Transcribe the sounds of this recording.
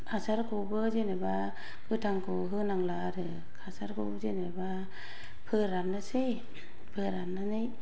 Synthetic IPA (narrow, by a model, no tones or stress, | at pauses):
asaɾkʰobɯzeneba | ɡɯtʰaŋkʰoɦɯnaŋlaɾɯ | kʰasaɾkʰobzeneba | pʰɯɾanːasej | pʰɯɾanːanɯj